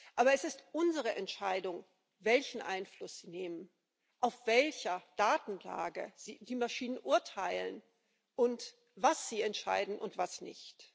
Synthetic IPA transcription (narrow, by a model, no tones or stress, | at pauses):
ʔaːbɐɛsɪstʔʊnzəʁ̞əʔɛntʃaɪdʊŋ | vɛlçn̩ʔa̰ɪnflʊsz̥iːneːmən | ʔaʊfv̥ɛlçɐd̥aːtn̩la̰ːɡə̰ziːdiːmaʃiːnənʔʊɐtʰaɪlə̰n | ʔʊnt | v̥asz̥iːɛntʃa̰ɪdn̩ʔʊ̰ntv̥asnɪ̰çt